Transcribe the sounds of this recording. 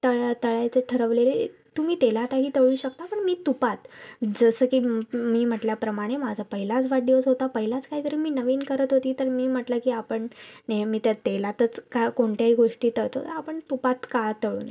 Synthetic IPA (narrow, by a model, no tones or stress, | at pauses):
t̪əɭt̪əɭajt͡seʈʰəɾəʋlele | t̪um̤iːt̪elat̪aɦiːt̪əɭuːɕək̚t̪apəɳmiːt̪upat̪d͡zəsəːkiːmiːm̤əʈljapɾəmaɽ̃emad͡zʱapəɦilat͡sʋaɖjot͡sɦot̪apəɦilat͡skaɦiːt̪əɾiːmiːnəʋiːnkəɾət̪ɦot̪iːt̪əɾmiːm̤əʈləkiːapəɳnemiːt̪jat̪elat̪ət͡skakoɳt̪jaɦiːɡoʂʈiːt̪əɭt̪ot̪ə̰ɾapəɳt̪upat̪kat̪əɭṵːna